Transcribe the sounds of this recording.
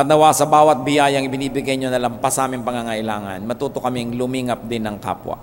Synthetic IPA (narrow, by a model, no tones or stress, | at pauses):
ɐt̪nɐwasɐbaːwɐt̪̚bɪjajɐŋɪbɪniːbɪɡajɲonɐlɐmpasɐʔaːmɪŋpɐŋaŋɐʔɪlaːŋɐ̰nmɐt̪uːt̪okɐmiŋlʊmiːŋɐp̚d̪ɪnɐŋka̰ːpwɐ̰